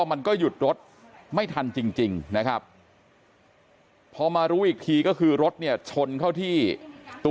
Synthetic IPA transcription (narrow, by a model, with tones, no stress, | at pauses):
ma˧nkɔː˥˩ju˨˩t̪̚ɾo˦˥t̪̚ | ma˥˩jt̪ʰa˧nt͡ɕi˧ŋt͡ɕi˧ŋna˦˥kʰɾa˦˥p̚ | ɔː˧maː˧ɾuː˦˥ʔiː˨˩k̚t̪ʰiː˧kɔː˥˩kʰɯː˧ɾo˦˥t̪̚ni˥˩ɐt͡ɕʰo˧nkʰa˥˩wt̪ʰiː˥˩t̪u˧